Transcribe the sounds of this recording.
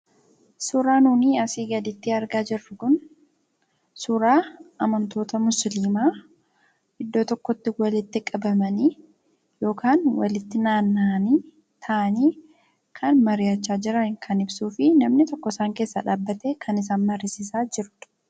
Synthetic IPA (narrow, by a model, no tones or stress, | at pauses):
sʊːɾaːnuːniːɐsiːɡɐd̪ɪt̪ːɪɐɾɡaːd͡ʒɪrːʊkʊn | sʊɾaːɐmɐnt̪o̞ːt̪ɐmʊsliːmaː | ʔɪd̪ːo̞ːt̪ɔkːɔt̪ːɪwɐlɪt̪ːɪkʼɐbɐmɐni | jo̞ːkʰaːnwɐ̰lɪt̪ːɪnaːnːani | t̪ʰɐʔɐniː | kʰɐnmɐɾɪjɐt͡ʃːaːd͡ʒɪɾɐnkʰɐnɪbsuːfɪnɐmnɪt̪ɔkːɔɪsaːŋke̞ːsːɐ̰ᶑaːbːɐt̪eːkʰɐnɪs̬aːnmɐɾɪsɪsaːd͡ʒɪɾt̪ʊ̥